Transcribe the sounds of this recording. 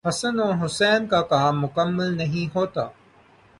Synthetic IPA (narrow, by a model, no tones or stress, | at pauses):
hɐsənõːɦʊsɛːnkaːkaːmːʊkəmːəlnɐɦĩɦoːt̪a̰ː